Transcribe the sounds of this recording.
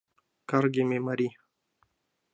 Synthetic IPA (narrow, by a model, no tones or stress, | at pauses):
kaɾɡememaɾi